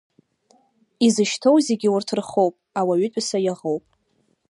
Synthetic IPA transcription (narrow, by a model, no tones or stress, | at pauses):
izɨʃtʰo̞wzeɡʲɪwʊrtʰrχowpʼawaɥʏtʷʼsajaʁowpʼ